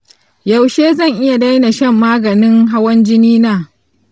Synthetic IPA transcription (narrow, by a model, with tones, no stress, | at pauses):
ja˨wʃeː˦zɐ˦˨ŋʔɪ˦ja˨da˦jna˨ʃɐ˦˨mːaː˦ɡɐ˨nɪ˦ŋɦa˦wɐ˦nd͡ʒɪ˦niː˦naː˦˨